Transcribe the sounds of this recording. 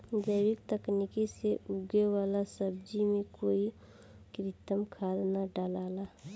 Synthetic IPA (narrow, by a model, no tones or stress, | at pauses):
d͡ʒəɪwɪk̚t̪əknikiseuɡewaːlasəb̚d͡ʒimẽkoːi | kɾɪt̪əmkʰaːd̪naɖaːlaːla